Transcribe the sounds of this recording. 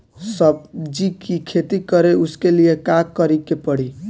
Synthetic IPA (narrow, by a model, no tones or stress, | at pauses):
sʌbd͡ʒikikʰet̪ikʌɾeuskelijekakːəɾikːepəɽ̤i